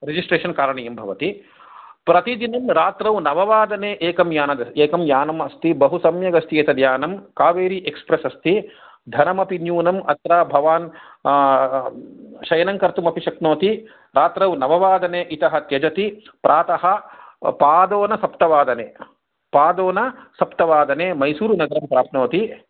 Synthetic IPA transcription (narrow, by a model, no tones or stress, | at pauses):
ɾed͡ʒisʈɾeːʃɐnkaːɾɐɳɐjɐmbʱɐʋɐt̪i | pɾɐt̪id̪inɐmɾaːt̪ɾɐwnɐʋɐʋaːd̪ɐneːʔeːkɐmjaːnɐd̪ɐeːkɐmjaːnɐmɐst̪ibɐɦusɐmjɐɡɐst̪ieːt̪ɐd̪ʱjaːnɐmkaːʋeːɾiʔekspɾɐsɐst̪i | d̪ʱɐnɐmɐpinjuːnɐmɐt̪ɾaːbʱɐʋaːn | ʃɐjɐnɐŋkɐɾt̪umɐpiʃɐknoːt̪i | ɾaːt̪ɾɐwnɐʋɐʋaːd̪ɐneːʔit̪ɐɦɐt̪jɐd͡ʒɐt̪i | pɾʔaːt̪ɐɦɐ̆paːd̪oːnɐsɐpt̪ɐʋaːd̪ɐneː | paːd̪oːnɐsɐpt̪ɐʋaːd̪ɐneːmɐjsuːɾunɐɡɐɾɐmpɾaːpnoːt̪i